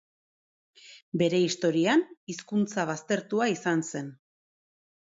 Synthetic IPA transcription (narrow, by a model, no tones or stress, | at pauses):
be̞ɾe̞ist̪o̞ɾianiskunt͡saβ̞ast̪e̞ɾt̪uaisanse̞n